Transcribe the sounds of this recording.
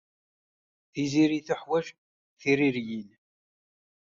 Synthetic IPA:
θiziɾiθəħwæʃ | θiɾiɾjin

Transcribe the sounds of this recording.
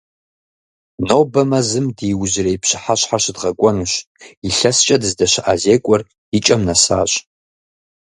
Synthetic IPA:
nowbɐmɐzɨmdiːwʑɪrejpɕɪ̥ħaɕħaɕdʁɐkʷʼɔnɨɕiɬɐst͡ʃʼɐdɨzdɐʃɪʔazeːkʷʼɔr | it͡ʃʼɐmnɐsa̰ːɕʼ

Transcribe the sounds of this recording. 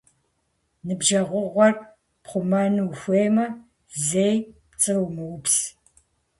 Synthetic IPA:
nɨbʒɐʁʷʊʁʷɔr | pχʷʊmɐnwxʷeːmɐ | zejpt͡sʼɨwmɨwʊpɬ

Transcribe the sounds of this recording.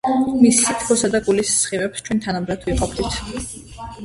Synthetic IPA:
misːit̪ʰkʰɔsad̪akʼulisːχivɛpst͡ʃʰwɛnt̪ʰanamɾad̪ʰwiqʼɔpʰd̪it̪ʰ

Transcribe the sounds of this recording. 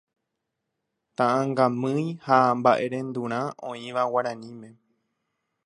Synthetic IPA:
t̪ãʔãŋɡãmɨ̃jhambaʔe̞ɾẽ̞nd̪uɾ̃ãʔõĩʋawaɾãnĩmẽ̞

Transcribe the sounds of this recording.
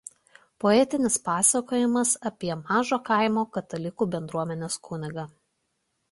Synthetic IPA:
pɔɛt̪ʲɪnʲɪspɑːsɐkoːjɪmɐsɐpʲiɛmɑːʒoːkɐˑɪmoːkɐt̪ɐlʲɪkuːbʲɛnd̪ɾuɔmʲɛnʲeːskuːnʲɪɡɐ

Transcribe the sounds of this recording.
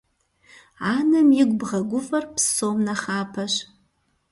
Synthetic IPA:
aːnɐmjɪɡʷʼbʁɐɡʷʊfʼɐrpʰsomnaχaːpʰɐʃ

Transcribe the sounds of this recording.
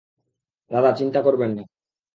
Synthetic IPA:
d̪aðat͡ɕint̪akoɾbenːe

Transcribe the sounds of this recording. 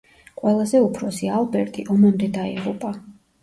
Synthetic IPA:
qʼwɛlˠazɛupʰɾɔsialˠbɛɾt̪ʼiʔɔmand̪ɛd̪aḭʁupʼa

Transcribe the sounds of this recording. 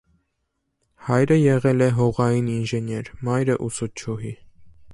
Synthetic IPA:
hɑjɾəjɛʁɛlɛɦɔʁɑjininʒɛnjɛɾmɑjɾəʔusut͡ʃʰuɦi

